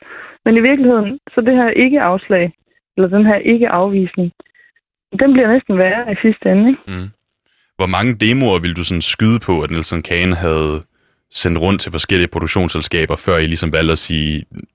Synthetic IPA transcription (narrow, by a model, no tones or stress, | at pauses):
meniʋiɐɡ̥lihe̝ð̰ˠn̩sɒ̽d̥e̝ɦæɐ̰ʔe̝ɡ̥əʔɑ̈ʊslɛ̰ɪ | elɐd̥enɦæɐ̰ʔe̝ɡ̥əʔɑ̈ʊʋḭːsne̝ŋ | d̥emb̥liɐnesd̥n̩ʋæːɐðˠisisd̥əenəeɡ̥ | ʋɒmɑ̈ŋəd̥e̝ːmo̝ɐʋe̝ləd̥usɒ̽nsɡ̥yð̞ˠəpʰɒ̽æd̥enel̰sɛnkʰɛːnɦæð̞̩ˠ | sen̰d̥ʁɔ̽n̰dt͡sʰe̝lfɒ̽sɡ̥el̰iəpʰʁo̝ɾ̥oɡ̥ɕo̝̰ːnselsɡ̥ɛ̰ːb̥ɐfɶɐ̰ilisɒ̽mʋæl̰d̥æsiː